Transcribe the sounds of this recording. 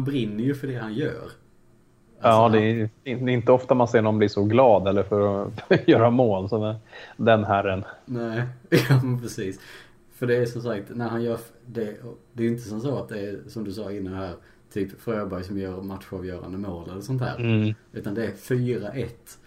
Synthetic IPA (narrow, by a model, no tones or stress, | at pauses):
hnbɾɪnːəɾjɵfœɖɛhanjœ̰ːɾ | aɑːd̪ɛd̪ɛɪnt̪əɔft̪anmanseːɳɔmblɪʂɔɡlɑːd̪ɛlːəɾfœɾɔjœːɾamoːlsɔd̪ɛnɦæɾːənnæːjɑːmɛnpʰɾɛsiːs | fœɖɛːʂɔmsakt̪næɾhanjœːɾfd̪ɛd̪ɛɾjɪnt̪əsɔms̬oːat̪̚d̪ɛːsɔmd̪ɵsɑːɪnːanhæːɾ | t̪ʰyːpfɾøːbœjsɔmjœːɾmat̪ɧʊɾavjœːɾa̰nd̪əmoːlɛlːəsɔnt̪hæ̰ːɾʉ̟ːt̪and̪ɛæɾfyːɾaʔɛt̪ː